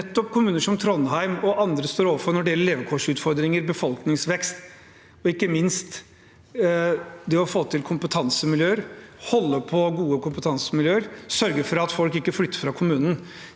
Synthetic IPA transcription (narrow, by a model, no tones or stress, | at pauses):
ɛt̪ːɔpkʰʊmʉːnəʂɔmt̪ʰɾɔnːɦæɪmɔʔɑnd̪ɾəst̪oːɾoːʋəɾfɔɾnɔɖɛjɛlːəɭeːʋəkʰoʂʉːt̪fɔɾd̪ɾɪŋəɾbəfɔlknɪŋsʋɛkst̪ | ɔɪkːəmɪnst̪ | d̪ɛɔfoːt̪ʰɪlkʰʊmpət̪ʰɑnsəmɪljøːəɾhɔlːəpʰɔɡuːəkʰʊmpət̪ʰɑnsəmɪljøːəɾsœɾɡəɾfɔɾɑt̪fɔlkɪkːəflʏt̪ːəɾfɾɑkʰʊmʉːnn̩